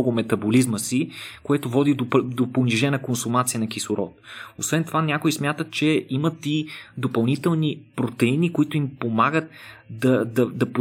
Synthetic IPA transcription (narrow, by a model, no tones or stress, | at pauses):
ɔɡʊmɛt̪ɐbolizməsikoɛt̪ovɔd̪id̪od̪oponiʒɛnəkonsʊmat̪sijənɐkisʊɾɔt̪osvɛnt̪ovanʲakoismʲjat̪ət̪̚t͡ʃɛimət̪id̪opɐlˠnit̪ɛlˠnipɾot̪ɛinikoit̪ʊimpomaɡət̪d̪ɐd̪ɐd̪ɐp